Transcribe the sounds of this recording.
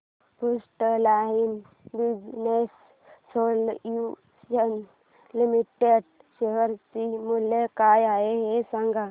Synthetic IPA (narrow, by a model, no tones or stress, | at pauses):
pusʈəlaːɦin | ʋid͡ʒnesː | oːlju | ən | limiʈeɖ | ʃeʋəɾsimulekaːjaːeɦesəŋɡʱa